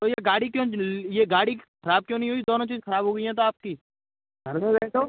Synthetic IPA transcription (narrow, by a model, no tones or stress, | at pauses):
t̪oːjeɡaːɽikjõːjeːɡaːɽixʰəɾaːb̚kjõːnəɦĩɦoːid̪oːnõːt͡ʃiːzxʰəɾaːbʱɦoːɡəiɦɛ̃ːt̪̬oaːp̚kiː | ɡəɾmẽzt̪oː